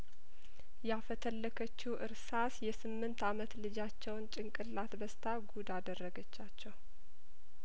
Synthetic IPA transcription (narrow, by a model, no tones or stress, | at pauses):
jafət̪ʰəlːəkʰət͡ʃːuwʔɨɾsasjɛsɨmːɨnt̪amət̪lɨd͡ʒat͡ʃːɛwnt͡ʃʼɪŋkʼɨlːat̪bəst̪ʰaɡud̪ad̪ərːəɡət͡ʃːat͡ʃːɛw